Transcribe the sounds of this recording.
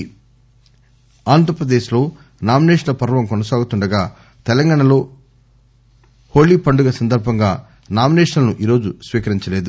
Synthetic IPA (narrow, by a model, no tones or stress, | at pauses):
aːnd̪ʱɐɾɐpɾɐd̪eːʃlo̞ː | naːmineːʂlɐpɐɾʋɐmkɔnɐsaːɡut̪uɳɖɐɡaː | t̪ɛlɐŋɡaːɳɐlo̞ː | hoːliːpɐɳɖuɡɐsɐnd̪ɐɾbʱɐŋɡaː | naːmineːʂɐnɐɐnuʔiːɾo̞ːd͡ʒusʋiːkɐɾiɲt͡ʃɐle̞ːd̪u